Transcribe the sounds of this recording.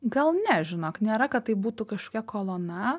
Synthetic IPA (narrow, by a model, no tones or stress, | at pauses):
ɡɐlˠnʲɛʒʲɪnoːknʲeːɾɐkɐt̪tːɐɪbuːt̪ukɐʃko̥kʲɛkoːlˠoːnɐ